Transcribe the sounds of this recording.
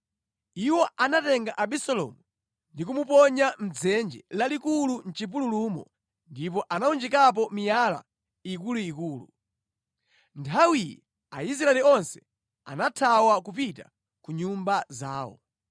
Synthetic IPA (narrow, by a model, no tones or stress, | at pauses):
iwɔanatɛŋɡaʔaɓisɔlɔ̰mu | ndikumupɔɲam̩d͡zɛnd͡ʒɛlalikulun̩t͡ʃip̬ululumɔ̰ | ndip̬ɔʔanaund͡ʒɛkap̬ɔmijala̰ | ikuluikuːlṵ | ntʰawijɛ | ais̬ɾaɛliɔnsɛ̥ | a̰natʰawakup̬ita̰ | kuɲumbazaːwɔ̰